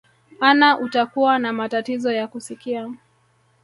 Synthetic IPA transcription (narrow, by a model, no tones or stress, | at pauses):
anaʔutakuwanamatatizɔjakusikia